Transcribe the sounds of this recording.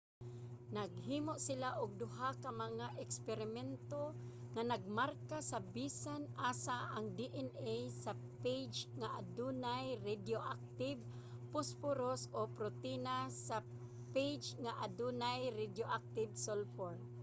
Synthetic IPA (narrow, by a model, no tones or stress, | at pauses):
naɡhiːmoʔsɪlaʔʊɡ̚d̪ʊɦakamaŋaʔɛkspɛɾɪmɛnt̪oŋanaɡ̚maɾkasabisanʔaːsaʔaŋd̪iʔɛnejsa | ped͡ʒŋaʔad̪unajɾɪd̪joʔak̚t̪ɪb̚ | pʊspʊɾosopɾot̪inasa | pejd͡ʒŋaʔad̪unajɾɪd̪joʔak̚t̪ɪbsolfoɾ